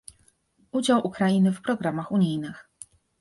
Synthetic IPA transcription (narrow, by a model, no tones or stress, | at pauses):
ud͡ʑawʔukɾainɘfpɾɔɡɾamaxuɲijnɘx